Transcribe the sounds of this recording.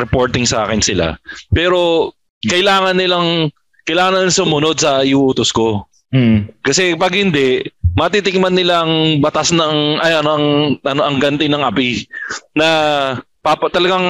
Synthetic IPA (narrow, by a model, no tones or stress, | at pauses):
ɾɛpo̞ɹt̪ɪŋsɐʔa̰ːkɛnsɪla̰pɛːɾo̞ | kɐʔɪlaːŋɐnːɪlaŋ | kɐjlaːŋɐnːɐlaŋsʊmʊno̞d̪̚sɐɪʔʔuːt̪osko̞ | kɐsɛpɐɡhɪnd̪ɛʔmɐt̪it̪ɪŋmanːɪlaʔɐŋbɐt̪asnɐŋʔɐjɐnoʔɐŋʔɐnoʔɐŋɡɐnt̪ɪnɐŋʔɐpinɐ | papɐt̪ɐlɐɡaŋ